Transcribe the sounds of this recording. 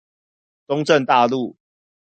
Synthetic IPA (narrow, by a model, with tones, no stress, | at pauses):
tʊ˦ŋʈ͡ʂə˥˨nt̪a˥˧lu˥˨